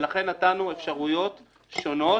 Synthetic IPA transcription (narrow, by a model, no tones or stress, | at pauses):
laχe̞nːatanuefʃaʁujo̞t̪ | ʃo̞no̞